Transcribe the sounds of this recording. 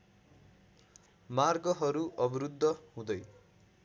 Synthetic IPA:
marɡʌɦʌɾuʔʌbɾud̪ʱːʌɦũd̪ʌj

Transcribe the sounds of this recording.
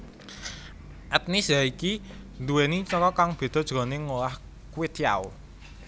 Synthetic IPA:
ʔɛt̪̚nisaiki | nd̪uwenit͡ʃɔkɔkaŋb̥e̤d̪̥ɔ̤d̥ʒ̥ɾɔneŋolah | kwɪt̪ja̰o

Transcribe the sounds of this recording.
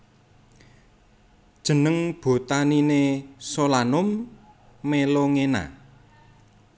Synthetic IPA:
d̥ʒ̥ə̤nəŋb̥o̤t̪aninesolanʊmː | eloŋena̰

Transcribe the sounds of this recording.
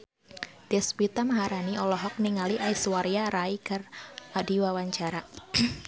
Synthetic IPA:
d̥ɛspit̪amaɦaɾaniʔɔlɔɦɔk̚niŋaliʔaiswaɾiaɾaikaradiwawaɲt͡ʃaɾa

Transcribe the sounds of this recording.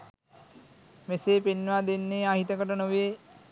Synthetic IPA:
meseːpenːʋaːd̪enːeːaɦit̪əkəʈənoʋeː

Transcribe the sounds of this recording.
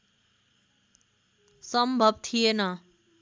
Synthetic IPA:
sʌmbʱʌbt̪ʰijenʌ

